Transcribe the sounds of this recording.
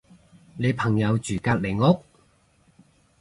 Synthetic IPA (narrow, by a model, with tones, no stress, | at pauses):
ne˨˧jpʰɐ˨˩ŋjɐ˨˧wt͡ʃyː˨˩kaː˧t̚le˨˩jŋʊ˥k̚